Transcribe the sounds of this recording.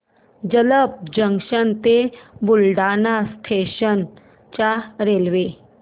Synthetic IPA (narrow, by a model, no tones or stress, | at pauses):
d͡ʑələp̚d͡ʑəŋʂənt̪ebulɖanast̪ʰeɕən | t͡ɕaɾelʋe